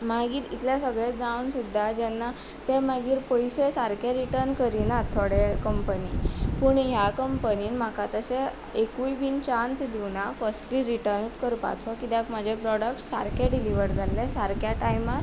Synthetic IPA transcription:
maɡiːɾit̪ljasəɡɭed͡zawnsud̪ʱːad͡ʑɛnːa | t̪ɛmaɡiːɾpəjsesaɾkeɾiʈəɾnkəɾinat̪ʰoɽekəmpənipuɳɦjakəmpəniːnm̤akat̪əse | ekujbiːnt͡ɕansd̪iwnafəsʈliɾiʈəɾnʈkəɾpa̰t͡sʰɔkit̪ɛ̃km̤ad͡ʑʱepɾɔɽəkʈsaɾkʰeɖiliʋəɾd͡zʱalːesaɾkjaʈajmaɾ

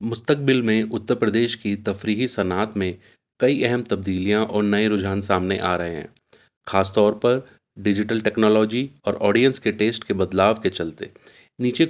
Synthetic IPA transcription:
mʊst̪ək̚bɪlmẽʔʊt̪ːəɾpɾəd̪eːʃkit̪ɐfɾiːɦisɐnaːt̪mẽ | kɐiɛɦɛmt̪ɐb̚d̪iːlijãʔɔːɾnɐeɾʊd͡ʒʱaːnsaːmneʔaːɾɐɦḛɦɛ̰̃ː | xʰaːst̪ɔːɾpɐɾ | ɖɪd͡ʒɪʈəlʈɛːknɔːlɔːd͡ʒiɔːɾɔːɖijə̃nskeʈeːsʈkebɐd̪laːʋket͡ʃɐlt̪ḛː | niːt͡ʃe

